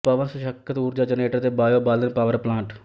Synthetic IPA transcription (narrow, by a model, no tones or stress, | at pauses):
pəʋənsʃəkʰːət̪uːɾd͡ʒaːd͡ʒəneːʈəɾt̪eːbaːjoːbaːld̪ənpaːʋəɾplãːɳʈ